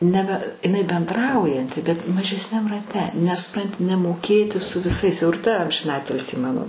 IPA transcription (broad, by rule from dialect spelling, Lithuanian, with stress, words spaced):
ˈnʲæːbʲɛ ɪˈnɐɪ bʲɛnˈdrɐʊjɛnʲtʲɪ bʲɛt mɐʒʲɛsʲˈnʲɛm rɐˈtʲɛ nʲɛs sʊˈprɐnʲtʲɪ nʲɛmoːˈkʲeːtʲɪ sʊ ʋʲɪˈsɐɪs jɛʊ ɪr tɐ ɐmʲʒʲɪnˈɑːtʲɪlʲsʲiː ˈmɑːnoː